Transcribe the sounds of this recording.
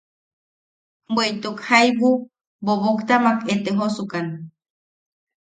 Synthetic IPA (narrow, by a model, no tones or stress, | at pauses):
bwejt̪ukhajwu | boβokt̪amaket̪eɦosukan